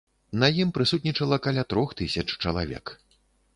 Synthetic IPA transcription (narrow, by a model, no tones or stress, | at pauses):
nɐjimpɾɨsut̪ʲnʲit͡ʂɐlˠɐkalʲat̪ɾɔxt̪ɨsʲɐt͡ʂt͡ʂɐlˠa̰vʲɛ̰k